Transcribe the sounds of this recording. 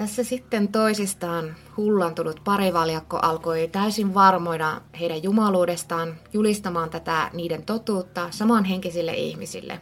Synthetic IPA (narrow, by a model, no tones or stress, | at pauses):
t̪æsːæsit̪ːent̪oisist̪ɑːn | hulːɑnt̪ulːut̪pɑɾiʋɑljɑkːo̰ʔɑlkoit̪æysiʋʋɑrmo̞idɑheiɾæjjumɑluːdest̪ɑːnjulist̪ɑmɑːnt̪æt̪æniːdent̪ot̪uːt̪ːɑsɑmɑnɦeŋkisilːḛʔḭhmisḭlːḛ